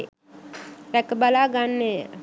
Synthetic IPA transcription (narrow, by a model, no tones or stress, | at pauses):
ɾɛkəbalaːɡanːe